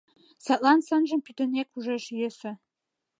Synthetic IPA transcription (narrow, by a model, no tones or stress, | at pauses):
sɑt̪̚lˠɑnsɤ̆nʒə̆mpyt̪ɘ̆nʲekuʒeʃjɘ̆sɘ̆